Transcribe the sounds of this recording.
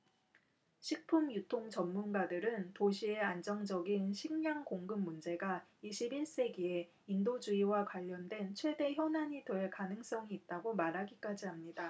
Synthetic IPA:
ɕʰik̚pʰumjutʰoŋt͡ɕʌmːunɡadɯɾɯntoɕʰie̞and͡ʑʌŋd͡ʑʌɡinɕʰiŋɲaŋkoŋɡɯmːund͡ʑe̞ɡaiɕʰibiɭs͈e̞ɡie̞ | indod͡ʑuiwakwaʎːʌndwe̞nt͡ɕʰwe̞de̞çjʌnaɲiteekanɯŋs͈ʌŋiːt̚t͈aɡomaɾɦaɡik͈ad͡ʑiamɲida

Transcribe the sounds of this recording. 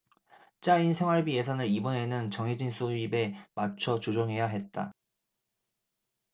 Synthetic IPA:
t͡ɕ͈ainsʰe̞ŋwaɭbije̞sʰanɯɾibʌne̞nɯnt͡ɕʌŋɦed͡ʑinsʰoibe̞mat͡ɕʰʌt͡ɕod͡ʑoŋɦe̞jaɦe̞t̚t͈a

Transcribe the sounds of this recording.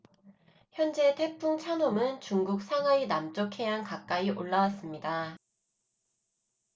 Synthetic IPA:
çjʌnd͡ʑe̞te̞pʰuŋt͡ɕʰanomɯnt͡ɕuŋɡuk̚sʰaŋɦwainamt͡ɕ͈okʰe̞ɦankak̚k͈aiʔoɭːawas͈ɯmɲida

